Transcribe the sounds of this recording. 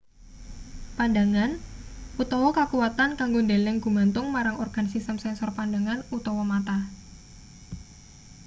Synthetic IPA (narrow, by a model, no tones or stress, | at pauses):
pandaŋanut̪ɔwɔkəkuwat̪ankaŋɡondelɛŋɡ̥ṳmant̪ʊŋmaɾaŋɔrɡ̥ansist̪əmsɛnsɔrpandaŋanut̪ɔwɔmat̪a